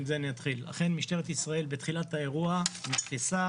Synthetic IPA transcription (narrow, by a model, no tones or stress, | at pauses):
zeniat̪χilːa̰χe̞nmiʃt̪e̞ʁet̪isʁae̞lbet̪χilat̪hae̞ʁuamitχisa